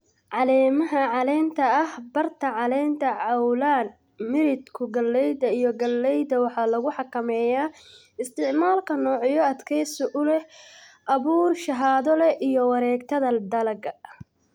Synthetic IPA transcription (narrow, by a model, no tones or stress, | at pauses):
ʕɑlɛːmɐɦɐʕɑlɛːnt̪ʰɐɐhbɐrt̪ʰɐʕɑlɛːnt̪ʰɐʕɑwlaːn | mɪɾɪd̪kʰʊɡɐlːɛjd̪ɐijɔɡɐlːɛjd̪ɐwɑħɑːlɐɣʊħɑkʰɐmɛːjaː | ɪst̪ɪʕmaːlkʰɐnɔːʕjɔɐd̪kʰɛjsʊʔʊlɛʔɐβuːrʃɐɦaːðɔlɛʔijɔwɑɾɛːɡt̪ʰɐðɐd̪ɐlɐɡɐ